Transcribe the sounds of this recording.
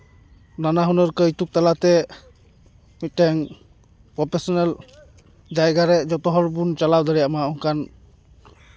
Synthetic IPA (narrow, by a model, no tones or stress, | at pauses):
nanaɦunɔɾkəjt̪uk̚t̪alat̪ɛ | mit̚tɛŋ | pɾɔpʰesɔnɛl | d͡ʒajɡaɾɛd͡ʒɔt̪ɔɦɔɾbunt͡ʃalawd̪ɔɾijamaɔŋkan